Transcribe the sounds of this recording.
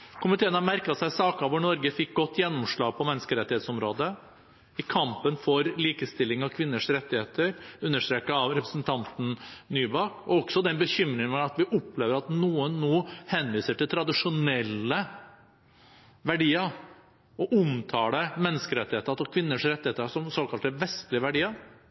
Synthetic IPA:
kʰʊmɪt̪ʰeːənhɑɾmæɾkɑsæɪsɑːkɑʋʊɳɔɾɡəfɪk̚ɡɔt̪ːjɛnːɔmʂɭɑːɡ̚pʰɔmɛnːəskəɾɛt̪ːɪheːt̪sɔmɾoːd̪ə | ɪkʰɑmpənfɔɾliːkəst̪ɪlːɪŋɑʋkʰʋɪnːəʂɾɛt̪ːɪheːt̪əɾʉnːəʂʈ̪ɾeːkəɑʋɾɛpɾəsn̩t̪ʰɑnt̪n̩nyːbɑːkɔɔɡ̥sɔd̪ɛnbəçʏmɾɪŋɑt̪ʋɪʔʊpleːʋəɾɑt̪nuːənːoːhɛnʋiːsəʈɪlt̪ʰɾɑd̪ɪʂʊnɛlːə | ʋæɖiːəɾ | ɔʔʊmt̪ʰɑːd̪əmɛnːəskəɾɛt̪ːɪheːt̪əɑt̪ɔkʰʋɪnːəʂɾɛt̪ːɪheːt̪əɾʂɔmsoːkɑlt̪əʋɛst̪lɪəʋæɖiːəɾ

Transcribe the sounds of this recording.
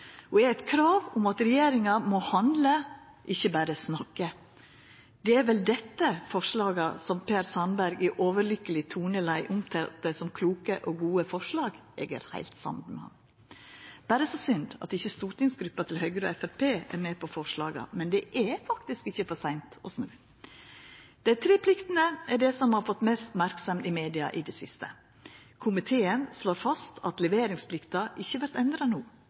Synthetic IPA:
ɔɛɾɛt̪kʰɾɑːʋʊmɑt̪ɾɛjeːɾɪŋɑmɔhɑnd̪lə | ʔɪçːəbæːɾəsnɑkːə | d̪̥ɛæɾʋɛld̪ɛt̪ːəfɔʂlɑːɡɑsɔmpʰeːɾsɑnbæɾɡɛʔoːʋəɾlʏkəlɪt̪ʰuːnəlæɪʔʊmt̪ʰɛt̪ːəsɔmkʰluːkəʔɔɡuːəfɔʂlɑːɡɛ̰ːɡə̰ɾhæ̰ɪlt̪sɑ̰mt̪mɛ̰hɑ̰m | b̥æːɾəsoːsʏnd̪ɑ̰t̪ɪçːəst̪uːʈ̪nɪŋsɡɾʉpːɑt̪ʰɪlhœʏɡɾəɔ̰ɛfæɾpʰeːæ̰ɾmɛːpʰɔfɔʂɭɑːɡɑ̰mɛnd̪ɛʔɛfɑkt̪ɪskɪçəfɔsæɪnt̪ɔsnʉː | d̪̥ɛt̪ʰɾeːpʰlɪkt̪ənəɛɖɛsɔmhɑɾfɔt̪mɛːst̪mæɾksɔmɪmeːd̪ɪɑ̰ʔɪd̪ɛsɪst̪ə̰ | kʰʊmɪt̪ʰeːənsloːɾfɑst̪ʰɑt̪lɛʋeːɾɪŋspʰlɪkt̪ɑʔɪçːəʋæɾt̪ɛnd̪ɾɑnuː

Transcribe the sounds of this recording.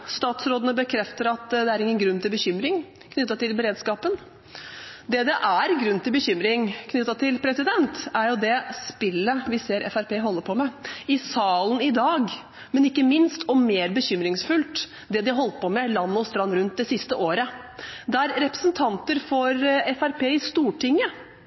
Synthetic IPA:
st̪ɑːt̪sɾoːd̪ənəbəkʰɾɛft̪əɾɑt̪d̪ɛæɾɪŋːənɡɾʉnːt̪ʰɪlbəçʏmɾɪŋ | kʰnʏt̪ːɑt̪ʰɪlbəɾeːd̪skɑːpən | d̪ɛd̪ɛʔæɾɡɾʉnːt̪ʰɪlbəçʏmɾɪŋkʰnʏt̪ːɑt̪ʰɪlpʰɾɛsɪd̪ɛnt̪æɾjʊd̪ɛspɪlːəʋɪseːɾʔɛ̰fæɾpʰeːɦɔlːəɾpʰɔmɛɪsɑːlənɪd̪ɑːɡ | mɛnɪkːəmɪnst̪ʰɔmeːɾbəɕʏmɾɪŋsfʉlt̪ | d̪ɛd̪ɪɦɔlt̪pɔmɛlɑnːɔst̪ɾɑnːɾʉnt̪̚d̪ɛsɪst̪əʔoːɾə | d̪ɛæɾɾɛpɾə̥sənt̪ʰɑnt̪əɾfɔɾɛfæɾpʰeːɪst̪uːʈʰɪŋːə

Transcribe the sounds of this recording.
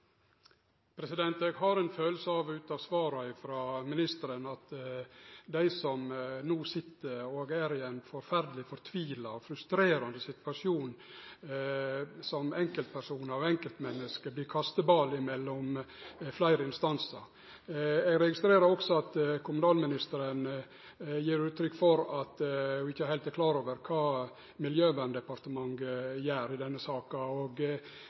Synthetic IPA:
pʰɾɛsɪd̪ɛnt̪ɛɡhɑɾɛnføːlsəɑʋʉːt̪ɑʋsʋɑːɾɑɪfɾɑːmɪnɪst̪əɾənɑt̪ | d̪æɪsɔmnuːsɪt̪ːəɾoːɡæːɾɪɛnfɔɾfæɾd̪əlɪfɔɾt̪ʰʋiːlɑɔfɾʉst̪ɾeːɾɑnd̪əsɪt̪ʋɑʂjuːn | sɔmɛŋkəlt̪̚pʰæɾʂuːnɑʋɛŋkəlt̪mɛnːəskəbliːɾkʰɑst̪əbɑːlɪmɛlːɔmflæɪɾəɪnst̪ɑnsəɾ | ɛɡɾɛɡɪst̪ɾeːɾəɾɔksɔɑt̪kʰʊmʉnɑːlmɪnɪst̪əɾən | jiːɾʉːt̪ʰɾʏkːfɔɾɑt̪ʊɪçːəæɾhæɪlt̪æɾkʰlɑːɾoːʋəɾkʰɑː | mɪljøːʋænd̪ɛpɑɾt̪əmɑŋɡjæːɾɪd̪ɛnːəsɑːkɑoːɡ

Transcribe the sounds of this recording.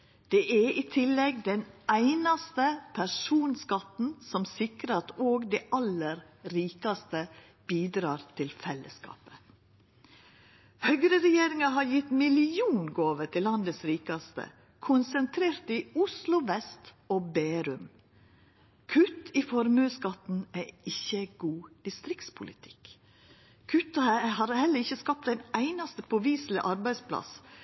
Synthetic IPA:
d̪̥eːʔæiːt̪ʰɪlːɛɡd̪ɛnæɪnɑst̪əpʰæʂuːnskɑt̪n̩sɔmsɪkɾəɑt̪oːɡd̪ɛʔɑləɾ | ɾiːkɑst̪ə | b̥iːd̪ɾɑːɾt̪ʰɪlfɛlːəskɑ̰ːpə̥ | hœɡɾəɾɛjeːɾɪŋɑɦɑːɾjɪt̪mɪlɪuːnɡoːʋəʈ̪ʰɪlːɑnd̪əsɾiːkɑst̪ə̰ | kʰʊnsənt̪ʰɾeːɾt̪ɪʊslʊʋɛst̪ | oːbeːɾʉm | kʰʉt̪ɪfɔɾmʉːskɑt̪n̩æːɪçːəɡuːd̪̥ɪst̪ɾɪkt̪spʰʊlɪt̪ʰɪ̥k | kʰʉt̪ːɑhɑːɾhɛlːəɾɪçəskɑp̚t̪æɪnæɪnɑst̪əpʰɔʋiːslɪ̰ʔɑɾbæɪspʰlɑ̰s

